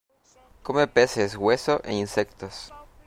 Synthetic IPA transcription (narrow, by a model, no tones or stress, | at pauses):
komepesesɣwesoʔḛninsekt̪os